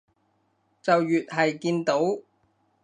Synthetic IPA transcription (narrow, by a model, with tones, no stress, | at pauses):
t͡sɐ˨wjyː˨t̚ɦɐ˨jkiː˧nt̪o˨˥w